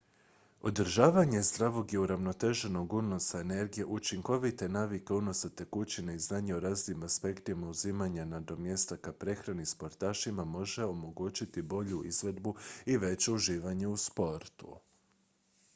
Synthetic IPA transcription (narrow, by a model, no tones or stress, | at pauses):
o̞d̪ɾ̩ʒaːʋaɲe̞zd̪ɾaʋo̞ɡiuɾaʋno̞t̪e̞ʒe̞no̞ɡuno̞saene̞ɾɡije̞ʔut͡ʃiŋko̞ʋit̪e̞naːʋike̞uno̞sat̪e̞kut͡ɕineiznaːɲeoɾaːzimaspe̞kt̪imauziːmaɲanad̪o̞mje̞st̪akapɾe̞xɾanispo̞ɾt̪aːʃimamo̞ʒe̞o̞mo̞ɡuːt͡ɕit̪ibo̞ʎuizʋe̞d̪buiʋe̞t͡ɕe̞uʒiːʋaɲe̞uspo̞ɾt̪ṵ